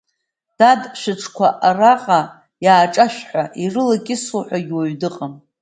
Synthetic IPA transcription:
d̥adʃʷᶣɪʈ͡ʂʰkʷʰaʔaraqʼa | jaːʈ͡ʂʼaʃʷᶣħʷaʔirɨlakʲʼɪsuħʷaɡʲwaɥdɨqʼam

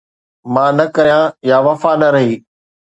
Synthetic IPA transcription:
mãːnɐkɐɾijãjaʋɐfanɐɾɐɦiː

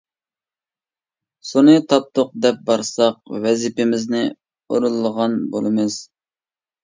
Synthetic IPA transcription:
sunɨt̪ʰɑp̚t̪ʰʊq̚d̪ɛp̚bɑɾsɑq̚wɛzɪpɪmɪznɪ | oɾulˠːəʁɑnbolˠɨmɨz̥

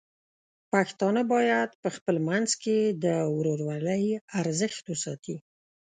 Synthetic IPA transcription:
paxt̪ɑnabɑjad̪pəxpəlmanzked̪əwɾoɾwaləjaɾzəxt̪wəsɑt̪i

